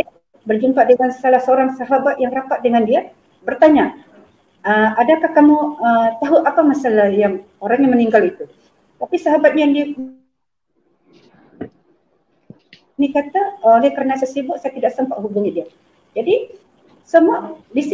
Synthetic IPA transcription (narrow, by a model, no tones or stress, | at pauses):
bərd͡ʒumpadəŋansalahsəoɾaŋsaɦabat̪̚jaŋrapat̪̚dəŋandia | bərt̪aɲa | əmadakahkamuət̪aɦuʔapamasalahjaŋ | oɾaŋɲaməniŋɡalit̪u | t̪apisaɦabat̪̚ɲajaŋdiak | nikat̪aolɛkəɾənasasibʊʔsajat̪idaʔsəmpaʔɦubuɲadia | d͡ʒadi | səmuadis